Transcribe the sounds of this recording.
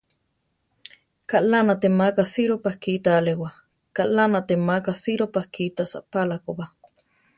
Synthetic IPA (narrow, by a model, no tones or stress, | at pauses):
kaʔlanat̪emakasiɾopahkit̪alewa | kaʔlanat̪emakasiɾopahkit̪asa̰ʔpalakopa